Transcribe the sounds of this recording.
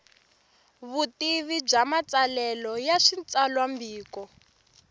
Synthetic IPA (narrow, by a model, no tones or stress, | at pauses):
βutiβib͡ʐamat͡salɛlɔjaʂint͡salwambiːkɔ